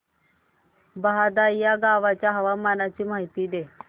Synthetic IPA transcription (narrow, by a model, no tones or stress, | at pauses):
baɦad̪ajaɡaʋat͡ɕjaɦəʋamanat͡ɕiːmaɦit̪iːd̪e